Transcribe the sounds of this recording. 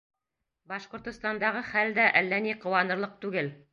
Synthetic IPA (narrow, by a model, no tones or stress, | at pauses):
bɑʃqŏɾt̪ŏst̪ɑnd̪ɑʁɤχæld̪æʔælːæniqŏwɑnɤ̆ɾlˠɤq̚t̪ʉɡɘl